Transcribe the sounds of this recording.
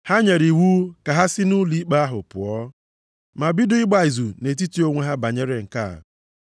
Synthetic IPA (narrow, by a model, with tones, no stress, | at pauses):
ha˦ɲe˨ɾi˨wu˦ka˨ɦa˦sɪ˦nu˦li˦k͡pa˦a˦ɦʊ̰˨pʊ̰˨ɔ˦ | ma˨bɪ˦dʊ˦ɪ˦ɡ͡ba˨ɪ˨zu˨ne˨t̬i˦ti˦o˦ŋʷe˦ɦa˦ba˨ɲe˦ɾe˦ŋ̩˨ka̰˦˨